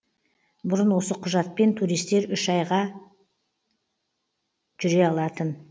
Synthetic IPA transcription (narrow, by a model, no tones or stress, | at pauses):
bʊɾənwo̞səqʰʊʒɑt̪̚pe̞nt̪ʰuɾijst̪e̞ɾʏʃɑjʁɑ | ʒʏɾe̞ɑlˠɑt̪ən